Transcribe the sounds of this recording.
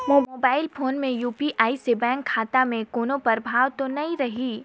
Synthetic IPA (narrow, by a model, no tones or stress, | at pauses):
moːoːbaːɪlfʰoːnmẽjuːpiʔʔaːisebɛ̃ːŋkʰːaːt̪amẽkoːnõpɐɾbʱaːʋt̪onɐĩɾɐɦiː